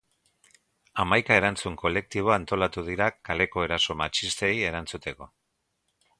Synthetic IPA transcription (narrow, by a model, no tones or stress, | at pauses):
amajkae̞ɾant͡suŋko̞le̞k̚t̪iβ̞o̞ant̪o̞lat̪uð̞iɾakale̞ko̞e̞ɾaso̞mat͡ʃist̪e̞je̞ɾant͡sut̪e̞ko̞